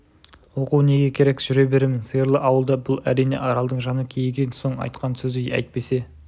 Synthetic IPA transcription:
wo̞quwne̞ɡʲe̞kʲʰe̞ɾe̞kʒ̥ʏɾe̞be̞ɾemɪnsəjəɾlˠəʔɑwəlˠd̪ɑbʊlˠæɾijne̞̰ʔɑɾɑlˠd̪əɴʒɑnəkʲʰejɡʲenso̞ɴɑ̰jt̪qɑnsɵzejæ̰jt̪̚pe̞se̞

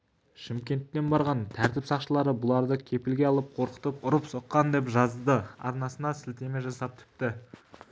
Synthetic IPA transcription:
ʃɪmkʲe̞nt̪ːe̞nbɑɾʁɑnt̪ʰæɾt̪ɪpsɑqʃəlˠɑɾəbʊlˠɑɾd̪əkʲʰe̞pɪlɡʲe̞ɑlˠəp̚qʰo̞ɾqə̥t̪əpʊɾəpso̞qːɑnd̪e̞pʒɑzd̪əɑ̰ɾnɑsənɑsɪlt̪e̞me̞ʒɑsɑp̚t̪ʰʏ̥p̚t̪ɪ

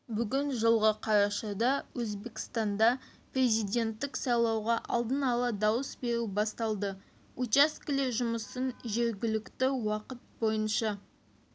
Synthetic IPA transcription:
bʏɡʲɪnʒəlˠʁəqʰɑɾɑʃɑd̪ɑwɵzbe̞kʲɪ̥st̪ɑnd̪ɑprʲe̞zijd̪ʲe̞nt̪ːɪksɑjlˠɑwʁɑʔɑ̰lˠd̪ənɑlˠɑd̪ɑwəsbe̞ɾubɑst̪ɑlˠd̪ə | ut͡ʃaskʲɪlʲeʒʊməsənʒe̞ɾɡʲɪlɪkt̪ɪwɑqət̪̚bo̞jənʃɑ

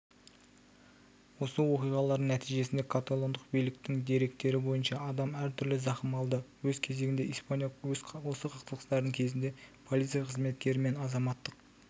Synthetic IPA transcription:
wo̞səwoqijʁɑlˠɑɾnæt̪ʰijʒe̞sɪnd̪ekʰat̪olˠond̪əqbijlɪk̚t̪ɪŋd̪e̞ɾe̞k̚t̪e̞ɾɪbo̞jənʃɑɑd̪ɑmæɾt̪ʰʏɾlɪzɑχəmɑlˠd̪əwɵzkʲʰe̞ze̞ɡʲɪnd̪e̞ispanj̪wo̞səqʰɑqt̪əlˠqəst̪ɑɾd̪əŋkʲʰe̞zɪnd̪e̞pʰo̞lˠit̪sɨjɑqʰəzme̞t̪kʲe̞ɾɪme̞nɑzɑmɑt̪ːəq

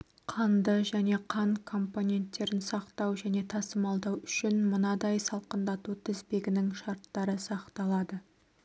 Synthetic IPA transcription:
qʰɑnd̪əʒæne̞qʰɑɴkʰo̞mpo̞nʲe̞nt̪ːe̞ɾɪnsɑqt̪ɑwʒæne̞t̪ʰɑsəmɑlˠd̪ɑwʏʃɪnmənɑd̪ɑjsɑlˠqənd̪ɑt̪ut̪ʰɪzbe̞ɡʲɪnɪŋʃɑɾt̪ːɑɾəsɑqt̪ɑlˠɑd̪ə

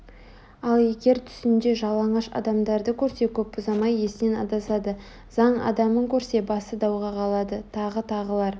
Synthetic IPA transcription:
ɑlˠe̞ɡʲe̞ɾt̪ʰʏ̥sɪnd̪e̞ʒɑlˠɑɴɑʃɑ̰d̪ɑmd̪ɑɾd̪əkʲʰɵɾse̞kʲʰɵp̚bʊzɑmɑje̞sɪne̞nɑ̰d̪ɑsɑd̪ə | zɑɴɑ̰d̪ɑməŋkʲʰɵɾse̞bɑsəd̪ɑwʁɑqʰɑlˠɑd̪ət̪ʰɑʁət̪ʰɑʁəlˠɑɾ

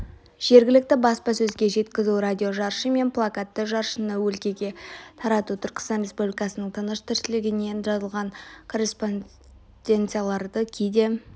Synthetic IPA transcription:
ʒ̥e̞ɾɡʲɪlɪk̚t̪ɪbɑspɑsɵzɡʲe̞ʒe̞t̪kʲɪzuɾad̪ʲio̞ʒɑɾʃəme̞nplˠakat̪ːəʒɑɾʃənəwɵlkʲe̞ɡʲe̞t̪ʰɑɾɑt̪ut̪ʰʏɾkʲɪ̥st̪ɑnɾʲe̞spublʲijkɑsənəɴt̪ʰənəʃt̪ʰɪɾʃɪlɪɡʲɪne̞nʒɑzəlˠʁɑɴkʰo̞ɾʲe̞spon | d̪̥ʲe̞nt̪sɨjalˠɑɾd̪əkʲʰijd̪e̞

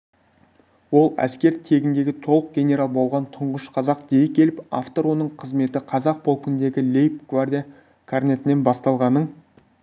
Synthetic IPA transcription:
wo̞lˠæ̰skʲe̞ɾt̪ʰe̞ɡʲɪnd̪e̞ɡʲɪt̪ʰo̞lˠəq̚ɡʲe̞nʲe̞ɾɑlˠbo̞lˠʁɑnt̪ʰʊɴʁəʃqʰɑzɑq̚d̪̥ejɪkʲʰe̞lɪpa̰ft̪o̞ɾwo̞nəɴqʰəzme̞t̪ɪqʰɑzɑq̚bolˠkʲɪnd̪e̞ɡʲɪlʲejpɡ̥vard̪ija | kʰarne̞t̪ɪne̞nbɑst̪ɑlˠʁɑnəɴ

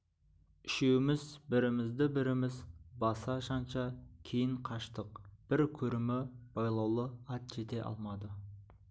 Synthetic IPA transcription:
ɪʃe̞wɪmɪzbɪɾɪmɪzd̪ɪbɪɾɪmɪzbɑsɑʃɑnʃɑkʲʰe̞jɪɴqʰɑʃt̪əq̚b̥ɪɾkʲʰɵɾɪmɪb̥ɑjlˠɑwlˠəɑt̪ʒ̥e̞t̪e̞ʔɑ̰lˠmɑd̪ə

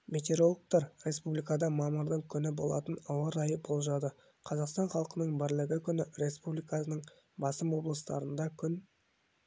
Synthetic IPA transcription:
vʲe̞t̪ʲe̞ɾo̞lˠəq̚t̪ɑɾɾʲe̞spublijkɑd̪ɑmɑməɾd̪əɴkʲʰʏnɪbo̞̰lˠɑ̰t̪ənɑwəɾɑjəbo̞lˠʒɑd̪ə | qʰɑzɑqst̪ɑnχɑlˠqənəɴbɪɾlɪɡʲɪkʲʰʏnɪɾe̞spublijkɑsnəɴ | bɑsəmwo̞blˠəst̪ɑ̰ɾənd̪ɑkʲʰʏn

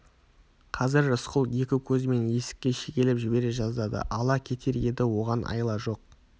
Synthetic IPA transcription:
qʰɑzɪɾəsqʊlˠje̞kʲɪkʲʰɵzɪme̞nje̞sɪ̥kʲːe̞ʃe̞kʲe̞lɪpʒɪbe̞ɾe̞ʒɑzd̪ɑd̪ə̰ʔɑlˠɑkʲʰe̞t̪ʰe̞ɾe̞d̪ɪwo̞ʁɑnʔɑ̰jlˠɑʒo̞q̚

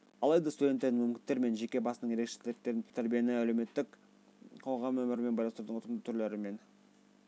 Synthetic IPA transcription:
ɑlˠɑjd̪ɑst̪ud̪ʲet̪ːed̪ɪŋmɪmkʲɪnːe̞ɾme̞nʒe̞kʲe̞bɑsənəɴje̞ɾekʃe̥t̪ʰlk̚t̪ːe̞ɾɪnt̪ʰæɾbije̞nɪælewme̞t̪ːɪk | qʰo̞ʁɑmɵmɪɾɪme̞nbɑjlˠɑnst̪ɾud̪əɴot̪ənd̪ət̪ʰʏɾleɾɪme̞n

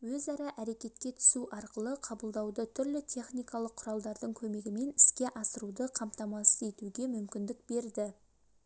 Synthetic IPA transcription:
wɵzɑɾɑʔæɾe̞kʲe̞t̪kʲe̞t̪ʰʏ̥suʔɑɾqəlˠəqʰɑbəlˠd̪ɑwd̪ət̪ʰʏɾlɪt̪ʰe̞χnijkɑlˠəqʰʊɾɑlˠd̪ɑɾd̪əɴkʲʰɵme̞ɡʲɪme̞nɪskʲe̞ʔɑsəɾud̪əqʰɑmt̪ɑmɑsəze̞t̪uɡʲe̞mʏmkʲɪnd̪ɪk̚be̞ɾd̪ɪ

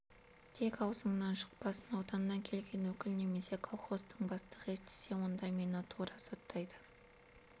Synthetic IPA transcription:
t̪ʰe̞kɑwzəɴnɑnʃʊ̥q̚pɑsənɑwd̪ɑnːɑŋkʲʰe̞lɡʲe̞nwɵkʲɪlne̞me̞se̞kʰolˠχo̞st̪əɴbɑst̪əʁe̞st̪ɪ̥se̞wo̞nd̪ɑmenot̪ʰuɾɑso̞t̪ːɑjd̪ə

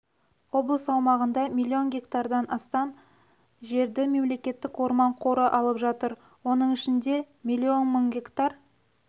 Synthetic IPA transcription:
wo̞blˠəsɑwmɑʁənd̪ɑmʲilʲːio̞nɡʲe̞kt̪aɾd̪ɑnɑst̪ɑn | ʒe̞ɾd̪ɪme̞mle̞kʲe̞t̪ːɪkwo̞ɾmɑɴqʰo̞ɾəʔɑlˠəpʒɑt̪əɾ | wo̞n̪əɴɪʃɪnd̪e̞ | mʲilʲːio̞nməŋɡʲe̞kt̪ɑr

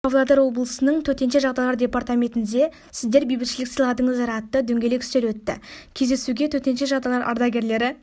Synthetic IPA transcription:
ovlˠad̪eɾwo̞blˠəsənəɴt̪ʰɵt̪e̞nʃe̞ʒɑʁd̪ɑjlˠɑɾdʲe̞part̪amʲe̞nt̪ɪnd̪e̞ | sɪzd̪e̞ɾbijbɪkʃɪlɪksəjlˠɑd̪əɴəzɑɾɑɑt̪ːəd̪ɵŋɡʲe̞lekʲʰʏ̥st̪e̞ɾwɵt̪ːɪ̰kʲʰe̞zd̪e̞suɡʲe̞t̪ʰɵt̪e̞nʃe̞ʒɑʁd̪ɑjlˠɑɾʔɑ̰ɾd̪ɑɡʲe̞ɾle̞ɾɪ

